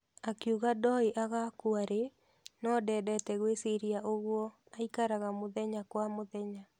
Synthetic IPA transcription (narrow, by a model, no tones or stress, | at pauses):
akjuɣadɔiʔaɣakuaɾe | nɔdɛːdɛtɛɣwesiɾiaʔoɣwɔ | aikaɾaɣamoðɛɲakwamoðɛɲa